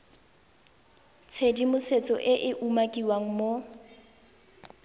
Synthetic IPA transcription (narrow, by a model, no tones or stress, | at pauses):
t͡sʰedimʊset͡sʼɔ̰ʔɪʔɪʔumakʼiwaŋ̩mo